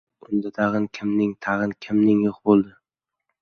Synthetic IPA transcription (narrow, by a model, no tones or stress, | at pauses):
ʊnd̪at̪ʰɑʁɨnkʲʰɪmnɪŋt̪ʰɑʁɨnkʲʰɪmnɪŋjoχbolˠd̪ɪ